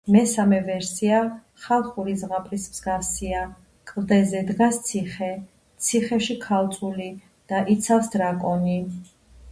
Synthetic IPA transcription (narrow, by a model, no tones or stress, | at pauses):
mɛsamɛvɛɾsia | χalˠχuɾizʁapʼɾismz̥ɡafsia | kʼld̪ɛzɛd̪ɡast̪sʰiχɛ | t̪sʰiχɛʃikʰalˠt̪sʼuli | d̪̥aʔit̪sʰafsd̪ɾakʼɔni